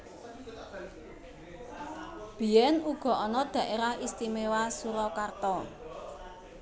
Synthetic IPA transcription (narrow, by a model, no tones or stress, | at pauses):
b̥i̤jɛnuɡ̥ɔ̤ɔnɔd̪̥ä̤ʔeɾahist̪imewasuɾɔkart̪ɔ